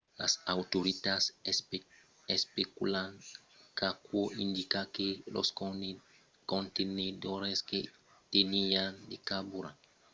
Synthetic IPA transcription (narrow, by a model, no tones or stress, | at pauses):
la̰sawt̪oɾit̪as | espekulaŋ | kakwoind̪ikakelo̰s | kont̪ened̪oɾeske | t̪eniand̪ekabuɾa̰